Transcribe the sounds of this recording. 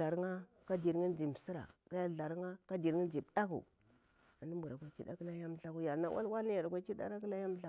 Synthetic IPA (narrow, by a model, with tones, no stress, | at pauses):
a˨ɾŋa˦ | ka˦di˨ɾŋi˦n˦d͡ʒi˨m˨si˦ɾa̰˨ka˦ja˦ɮa˨ɾŋa˦ka˦di˨ɾŋi˦n˦d͡ʒi˨bda˦kṵ˨ | a˨ni˦mbu˨ɾa˨kʷa˦t͡ʃi˦da̰˦ki˦la˦ja˦mɬa˦ku˦ja˨ɾna˦wʔa̰˦lwa˦lna˦ja˨ɾkʷa˦t͡ʃi˦da̰˦ɾa˦k̬i˦la˦ja˦m˦ɬa˦